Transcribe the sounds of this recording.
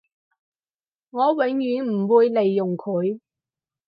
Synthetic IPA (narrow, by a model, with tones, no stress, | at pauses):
ŋɔː˨˧wɪ˨˧˥ŋjyː˨˥nm̩˨˩wuː˨˧jle˨jːʊ˨˩ŋkʰɵ˨˧ɥ